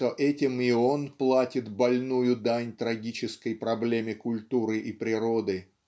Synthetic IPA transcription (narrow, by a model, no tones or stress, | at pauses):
oʔɛtʲɪmɪonplˠatʲɪt̪bɐlʲnujʊd̪anʲt̪ɾɐɡʲit͡ɕɪskəjpɾɐblʲemʲɪkʊlʲt̪uɾɨʔipɾʲɪɾod̪ɨ